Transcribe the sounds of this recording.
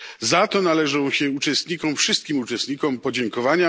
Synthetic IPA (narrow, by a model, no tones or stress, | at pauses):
zat̪ɔnalɛʐɔ̃w̃ɕɛut͡ʂɛst̪ɲikɔ̃mfʂɨst̪̚kʲimut͡ʂɛst̪ɲikɔmpɔd͡ʑɛŋkɔvaɲa